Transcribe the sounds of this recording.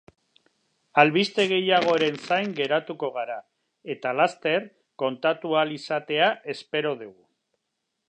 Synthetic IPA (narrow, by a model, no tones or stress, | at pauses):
alβist̪e̞ɣ̞e̞jaɣ̞o̞ɾe̞nsajŋɡe̞ɾat̪uko̞ɣ̞aɾa | e̞t̪alast̪e̞ɾ | ko̞nt̪at̪ualisat̪e̞aʔe̞spe̞ɾo̞ðuɣu